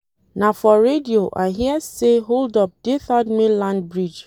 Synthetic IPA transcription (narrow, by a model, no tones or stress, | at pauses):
nafɔɹedioʔa̰ɦiəseɦoldɔp̚d̥eθɔdmilãnd̚bɹid͡ʒ